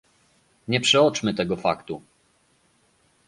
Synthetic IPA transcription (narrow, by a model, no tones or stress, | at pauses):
ɲɛpʂɛɔt͡ʂmɘt̪ɛɡɔfa̰kt̪u